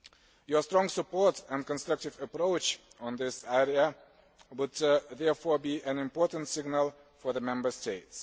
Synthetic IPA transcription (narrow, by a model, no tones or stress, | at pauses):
jɔ˞stɹɔ̃ŋsəpɔɹtə̃nkə̃nstɹʌk̚tɪvəpɾoʊt͡ʃə̃nðɪsɛɹiə | wʊd̪ðɛɹfɔɹbiʔæ̃nɪ̃mpɔɹtə̃n̩tsɪɡnəlˠ | fɔɹðəmɛ̃mbə˞steɪts